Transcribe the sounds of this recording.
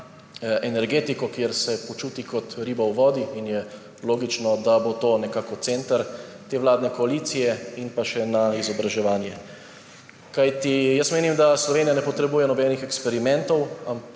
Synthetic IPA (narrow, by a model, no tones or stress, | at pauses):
ʔɛnɛɾɡeːt̪ikɔkjeɾsɛpɔt͡ʃuːt̪ikɔt̪ɾiːbawʋɔːd̪iinjɛ | loːɡit͡ʃnɔd̪abot̪oːnɛkaːkɔt̪seːnt̪əɾt̪eːʋlaːd̪nɛkɔaliːt̪sijɛinpaʃɛnaizɔbɾaʒɛʋaːnjɛ̰ | kajt̪ijəsmeːnimd̪aslɔʋeːnijanɛpɔt̪ɾɛbuːjɛnɔbɛnixɛkspɛɾimɛnt̪ɔwam